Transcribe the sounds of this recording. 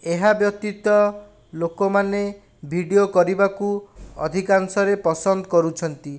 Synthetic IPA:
eɦabjɔk̚t̪it̪ɔ | lokɔmane | bʱiɽiokɔɾibakuɔ̰d̪ʱikansɔɾepɔsɔnd̪ɔkɔɾut͡ʃʰɔnt̪i

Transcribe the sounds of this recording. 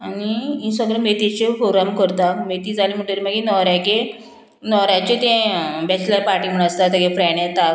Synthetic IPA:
aniĩsəɡɭemet̪it͡ɕefoɾamkəɾt̪amet̪id͡zalim̤əʈəɾimaɡenɔɾjake | nɔɾjat͡ɕet̪ẽbɛt͡ɕləɾpaʈiːm̤əɽəst̪at̪aɡefɾaɳẽt̪a

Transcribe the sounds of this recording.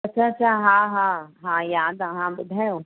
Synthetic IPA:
ɐtːʃʰaɐtːʃʰaɦãːɦãːɦãːjaːd̪aɦãːbʊd̪ʱɛo

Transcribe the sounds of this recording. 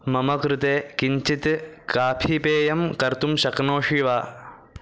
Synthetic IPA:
mɐmɐkɾut̪eːkiɲt͡ʃit̪kaːpʰipeːjɐmkɐɾt̪umʃɐknoːʂiʋaː

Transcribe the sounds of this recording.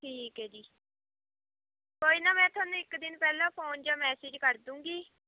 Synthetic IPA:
ʈʰiːkɦɛːd͡ʒiː | koːiːnaːmɛ̃ːt̪ʰʊwaːnũːɪkd̪ɪnpɛːlãːpʰoːnd͡ʒaːmɛːsɪd͡ʒkəɾd̪ũːŋɡiː

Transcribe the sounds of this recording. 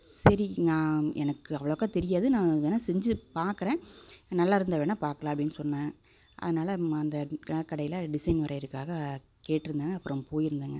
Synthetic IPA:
sɐɾinãːɛ̰nɐkːɯɐʋɐɭɐʋkːaːt̪ɛɾɪjaːðɯnãːʋenːaːsɛɲd͡ʒɯpaːɾkɯɾẽːnɐlːaːɪɾɯnd̪ɐʋeːnapaːɾkɐlãːpɐɽɪnːɯsɔnːãː | ʔɐ̰ðɯnaːlɐɐnd̪ɐkːɐɽɐjɪlɐɖɪsɐɪnʋɐɾɐɪɾɯkːaːɣɐ | keːʈːɪɾɯnd̪aːŋɡɐpːɯɾɐ̃poːjɪɾɯnd̪aːŋɡɐ

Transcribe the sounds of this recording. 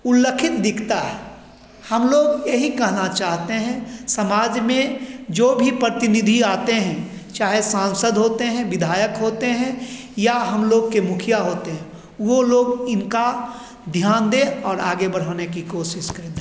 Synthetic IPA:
ʊlːəkʰɪt̪d̪ɪkʰt̪aɦɛ | hɐmloːɡjeɦikɛɦnat͡ʃaːɦt̪eɦɛ̃sɐmaːd͡ʒmẽd͡ʒoːbʱipɾət̪ɪnɪd̪ʱiaːt̪eɦɛ̃ | t͡ʃaːɦesãːnsəd̪ɦoːt̪eɦɛ̃ʋɪd̪ʱaːjəkɦoːt̪eɦɛ̃ | jaɦɐmloːɡ̚kemʊkʰɪjaɦoːt̪eɦɛ̃ | ʋoloːɡɪnka | d̪ʱjaːnd̪eɔːɾaːɡebɐɽ̤aːnekikoːʃɪʃkɐɾɪd̪

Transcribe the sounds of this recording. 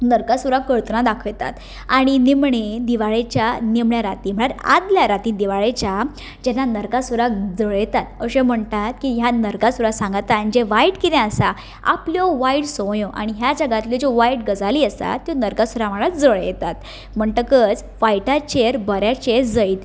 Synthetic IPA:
nəɾkasuɾakəɭt̪nad̪akʰəɭt̪a̰t̪ | aɽ̃inimɳed̪iʋaɭet͡ɕjanimɳjaɾat̪im̤əɳ̃aɾa̰d̪ljaɾat̪ĩd̪iʋaɭet͡ɕja | d͡ʑɛnːanəɾkasuɾakd͡zəɭjɛt̪at̪əɕẽm̤əɳt̪at̪kiɦjanəɾkasuɾasãŋɡat̪anid͡ʑeʋaiʈkit̪ẽəsa | a̰pljɔʋaiʈsɔjɔ̃ʔa̰ɽ̃iɦjad͡zəɡat̪ljid͡ʑɔʋaiʈɡəd͡zaliəsa̰t̪ːjonəɾkasuɾam̤aɭad͡zəɭjḛt̪at̪ | m̤əɳʈəkət͡s | fajʈat͡ɕeɾbəɾjat͡ɕeɾd͡zəit̪

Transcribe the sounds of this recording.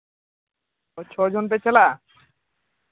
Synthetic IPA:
t͡ɕʰɔd͡ʑonpet͡ɕʰela

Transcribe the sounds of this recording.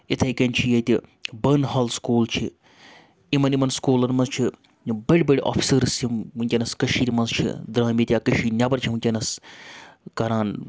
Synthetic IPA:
it̪ʰɐjkɐnʲt͡ʃʰijɐt̪ʲibɐnɦɐːlskuːlt͡ʃʰi | imɐnimɐnskuːlɐnmɐnzt͡ʃʰi | bɐɽʲbɐɽʲiʔa̰ːfʰi̥səɾsimɦunʲtʲɐnɐskɐʃiːɾmɐnzt͡ʃʰḭd̪ɾaːmit̪ʲjaːkɐʃiːnʲɐbɐɾt͡ʃʰimunʲɐnɐs | kɐɾaːn

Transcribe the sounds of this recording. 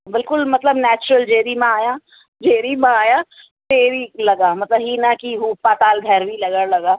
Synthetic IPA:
bɪlkʊlmɐt̪ləbnɛːt͡ʃʊɾəld͡ʒeːɾimãaːja | d͡ʒeːɾimãaːja | t̪eːɾilɐɡaːmɐt̪ləbɦinakiɦuːpat̪aːld̪ʱɛɾbilɐɡalɐɡaː

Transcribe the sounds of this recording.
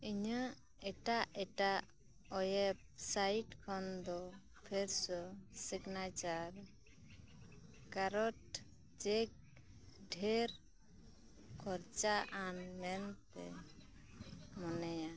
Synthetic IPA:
iɲa | ɛʈaʔɛʈa | ɔjɛp̚sajʈkʰɔnd̪ɔ | pʰeɾsɔsiɡnat͡ʃaɾ | kaɾɔʈ | d͡ʒek̚ | ɖʱeɾ | kʰɔɾt͡ʃaʔanmɛnt̪ɛ̰ | mɔnɛja

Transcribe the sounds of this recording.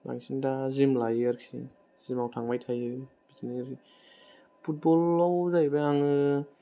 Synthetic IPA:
ba̰ŋsindazimlajaɾkʰḭ | z̥imawtʰaŋmajtʰajɯ | b̥itʰiniɾi | pʰut̚bɔlːawzajbajaŋɯ

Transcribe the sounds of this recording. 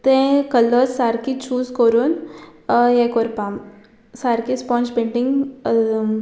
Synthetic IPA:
t̪ẽkɐlːəsaːɾkit͡ʃuːzkoɾon | jekoɾpaːm | saːɾkispɔ̃ːnt͡ʃbẽɳɖiŋɡ

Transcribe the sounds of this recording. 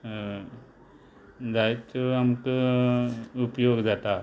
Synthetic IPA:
d͡zajt͡soamkə | upjoɡd͡zat̪a

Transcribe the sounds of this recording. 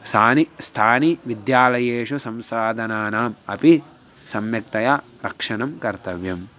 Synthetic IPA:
saːnist̪ʰaːniʋid̪jaːlɐjeːʂusɐmsaːd̪ʱɐnaːnaːmɐpi | sɐmjɐk̚t̪ɐjaː | ɾɐkʂɐnɐmkɐɾt̪ɐʋjɐm

